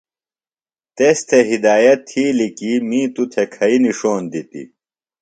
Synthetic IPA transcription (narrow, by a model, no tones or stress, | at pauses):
t̪est̪ʰeɦid̪aːjɐt̪ʰːiːlikimĩːt̪ut̪ʰekʰɐiniʂoːnd̪it̪ḭ